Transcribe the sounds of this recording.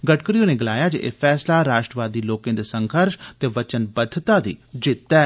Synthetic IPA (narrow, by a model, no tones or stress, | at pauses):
ɡəʈkəɾijõːnẽːɡɪlaːjaːd͡ʒeʔḛːpʰɛːslaːɾaːʃʈɾəʋaːd̪iːloːkẽːd̪eːsəŋkʰəɾʃt̪eːʋət͡ʃənbəd̪ʱːt̪aːd̪ḭːd͡ʒɪt̪ːɛː